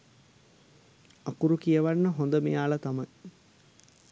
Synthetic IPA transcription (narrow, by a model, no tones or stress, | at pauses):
akuɾukijəʋanːəɦond̪əmejaːlɐt̪amɐj